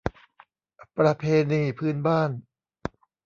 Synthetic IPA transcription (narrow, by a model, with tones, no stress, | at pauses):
pɾa˧pʰeː˧niː˧˩pʰɯː˥˩˨nbaː˥˩n